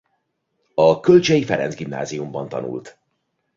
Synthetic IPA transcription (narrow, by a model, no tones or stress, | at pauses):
ɒkølt͡ʃɛjifɛɾɛ̰nzɡimna̰ːzijumbɒnt̪ɒ̰nṵlt̪